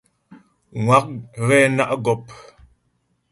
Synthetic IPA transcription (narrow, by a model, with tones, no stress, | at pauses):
ŋwa˨˦k̚ɣɛ˦na˦ʔɡɔ˦p̚